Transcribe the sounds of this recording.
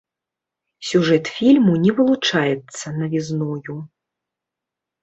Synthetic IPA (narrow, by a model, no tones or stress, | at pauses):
sʲuʐɛt̪fʲilʲmunʲɛvɨlˠut͡ʂajɛt̪sːɐnɐvʲiznɔju